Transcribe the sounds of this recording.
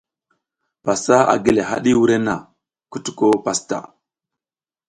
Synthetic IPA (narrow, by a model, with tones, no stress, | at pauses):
pa˨sa˦a̰˨ɡe˦le˨ɦa̰˦ɗi˦wu˦ɾe˦na˨ | ku˦tu̥˦ko˦pa˨sta̰˨